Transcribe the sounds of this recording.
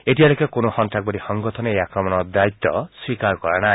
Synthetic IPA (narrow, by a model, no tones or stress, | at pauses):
etialokekonohɔnʈak̚bɔɾihɔŋɡɔt̪ʰɔneeakɾɔmɔnɔd̪ait̪ːɔswikaɾkɔɾanaj